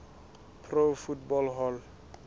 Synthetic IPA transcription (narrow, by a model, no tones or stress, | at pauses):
pʰrofutbɔlɦɔl